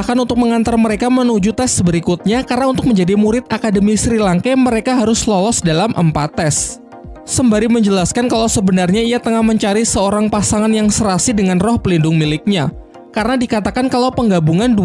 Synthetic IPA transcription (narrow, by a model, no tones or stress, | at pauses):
ahkanunt̪ʊk̚məŋant̪arməɾekamənud͡ʒut̪ɛsbəɾikut̪̚ɲakarnaunt̪ʊk̚məɲd͡ʒadimuɾɪt̪̚akadəmisɾilaŋkaməɾekaɦaɾʊslɔlɔsdalamʔə̰mpat̪ːɛsː | əmbaɾiməɲd͡ʒəlaskankalawsəbənarɲaijat̪əŋahməɲt͡ʃaɾisəoɾaŋpasaŋanjaŋsəɾasidəŋanrɔhpəlindʊŋmilɪk̚ɲa | karənadikat̪akankalawpəŋɡabuŋandu